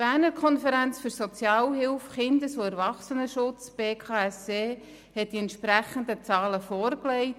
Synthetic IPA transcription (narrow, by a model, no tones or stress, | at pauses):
b̥æːɾnəɾkʰɔnfəɾænt͡sfʏɾsɔt͡sjɑːlɦɪlfχɪnd̪əsoɛɾvɑχsənəʃʊt͡sb̥eːkʰɑːɛseː | hɛt̚d̥iɛntʃpɾæχəndət͡sɑːləfɔːɾklɛɪt